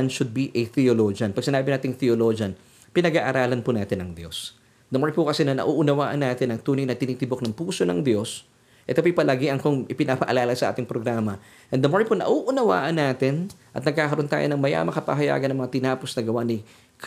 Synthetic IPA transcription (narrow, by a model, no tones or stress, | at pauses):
ɐnʃʊd̪̚biʔɛθioloːd͡ʒɐnpɐɡ̚sɪnaːbɪnaːt̪ɪŋθɛoloːd͡ʒɐn | pɪnɐɡaʔɐɾaːlɐnpʊnaːt̪ɪnɐŋd̪jo̞̰s | d̪ɐmoɹnpʊkɐsɛnɐnɐ̰ʔuːʔʊnɐwaːʔɐnːaːt̪ɪnɐŋt̪uːnɪnɐt̪ɪnit̪ɪbok̚nɐŋpuːsonɐŋd̪jo̞s | ʔɛt̪opɐjpɐlaɡiʔɐŋkoŋʔɪpɪnɐpɐʔɐlaːlɐsɐʔa̰ːt̪ɪŋpɾoɡɾaːmɐ | ʔɛnd̪ɐmoɹponɐ̰ʔuʔʊnɐwa̰ːʔɐnːaːt̪ɪnʔɐ̰t̪nɐɡ̚kaːkɐɾʔo̞nt̪a̰ːjonɐŋmɐja̰mɐkɐpɐ̰ɦɐja̰ːɡɐnɐŋmɐŋat̪ɪnaːposnɐɡɐwanɪ | k